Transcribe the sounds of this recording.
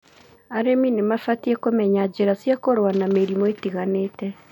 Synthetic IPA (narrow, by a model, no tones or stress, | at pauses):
aɾeminemafatiɛkomɛɲad͡ʒeɾasjakoɾwanameɾimɔetiɣaneːtɛ